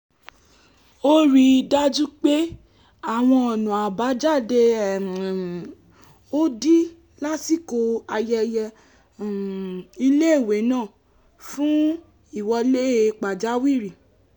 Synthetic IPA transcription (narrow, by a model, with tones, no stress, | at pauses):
o˦ɾi˦da˦d͡ʒũ˦k͡pe˦ | a˦˨w̃ɔ̃˧ɔ˨nũ˨a˨ba˨˦d͡ʒa˦˨de˧˨ | o˦di˦ | la˦si˦˨ko˧a˧jɛ˧jɛ˧˨ | i˧le˦˨we˨˦nãː˦˨ | fũ˦ | i˦˨wɔ˧le˦˨˧k͡pa˨d͡ʒa˨˦wi˦˨ɾi˨